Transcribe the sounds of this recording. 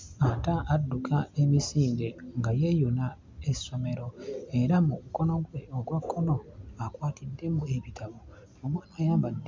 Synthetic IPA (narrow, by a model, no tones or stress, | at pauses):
ataʔːdːukʰae̞misiːndeŋɡajejuna | eso̞me̞ɾo̞e̞ɾamuuko̞no̞ɡweoɡwakʰːo̞no̞akwaːtʰidːe̞mueβitʰaβo | omwaːnaajaːmbadː